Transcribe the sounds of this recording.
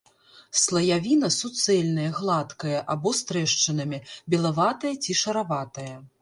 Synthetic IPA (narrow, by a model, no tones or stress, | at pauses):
slˠɐjavʲinɐsut̪sɛlʲnɐjɐɣlˠat̪kɐjɐʔabɔst̪ɾɛʂt͡ʂɨnɐmʲibʲɛlˠavat̪ɐjɐt͡sʲiʂɐɾavat̪ɐjɐ